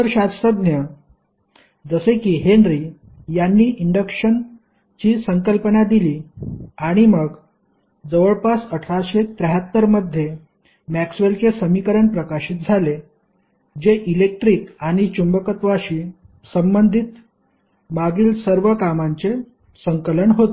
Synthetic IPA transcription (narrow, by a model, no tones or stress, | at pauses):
əɾɕatsəd̪njə | d͡zəsekiːɦenɾiː | janːiːʔiɳɖəkʂən | t͡ɕiːsəŋkəlpənad̪iliːaɽ̃iməɡ | d͡zəʋəɭpasəʈʰɾaɕet̪ɾəɦət̪ːəɾməd̪ʱːje | mæksʋelkesəmikəɾəɳpɾəkaɕiːt̪̚d͡zʱale | d͡ʑeʔilek̚ʈɾiːkaɽ̃it͡ɕumbəkət̪ʋaɕiː | səmbənd̪ʱit̪ | maɡiːlsəɾʋəkamaɲt͡se | səŋkələɳɦot̪